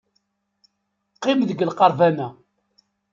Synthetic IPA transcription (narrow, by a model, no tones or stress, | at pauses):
qːɪmðəɡəlqɑɾˤvænæ